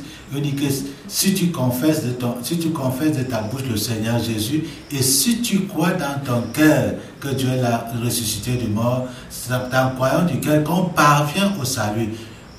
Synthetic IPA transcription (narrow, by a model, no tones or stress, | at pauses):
õnĩkə | sit̪ykɔ̃fɛsdət̪ɔ̃sit̪ykɔ̃fɛsd̪ət̪abuʃləsɛɲœʁʒezy | esit̪ykʁwad̪ãt̪ɔ̃kɛʁ | kəd̪jøɛlaʁesysit̪ed̪ymɔʁ | d̪ãkwajãsd̪ykɛlkəɔ̃paʁvjɛ̃ʔosaly